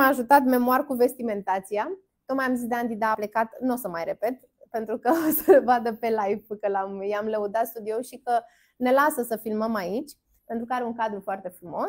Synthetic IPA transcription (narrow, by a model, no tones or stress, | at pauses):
aʒut̪at̪me̞moarkuve̞st̪ime̞nt̪at̪sija | t̪ot̪majamzisd̪eand̪id̪aːplekat̪nosəmajre̞pe̞t̪ | pent̪ɾukəosəbad̪əpe̞lajpkəlamjamləud̪at̪st̪ud̪io̞ʃikə | ne̞lasəsəfilməmait͡ʃʲ | pe̞nt̪ɾukəaɾeuŋkad̪ɾufoart̪e̞fɾumo̞s